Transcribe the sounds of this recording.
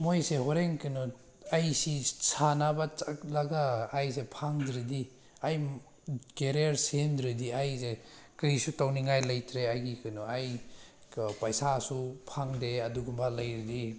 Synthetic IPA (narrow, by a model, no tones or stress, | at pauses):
mojsehɔɾeŋkinɔ | ajsisanabat͡ʃaklaɡaːjsepʰaŋdɾidi | aj | keɾijaɾsendɾidiajzekɾisutawniŋajlɐjtʰɾeajɡikɯnɔaj | pajsasupʰaŋdeɐduɡumbalɐjɾidi